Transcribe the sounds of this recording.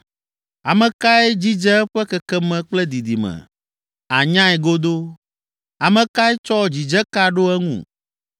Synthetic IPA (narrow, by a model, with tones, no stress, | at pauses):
a˨mɛ̃˨ka˦ɛ˦d͡ʑi˦d͡ʒɛ˦ɛ˦ɸɛ˦kɛ˨kɛ˦mɛ̃˨k͡plɛ˦d̪i˨d̪i˨mɛ̰̃˨ | a˨ɲã˦ɛ˨ɡo˦d̪o˦ | a˨mɛ̃˨ka˦ɛ˦t͡ʃɔ˦d͡ʑi˨d͡ʒɛ˦ka˦ɖo˦ɛ˦ŋṵ̃˨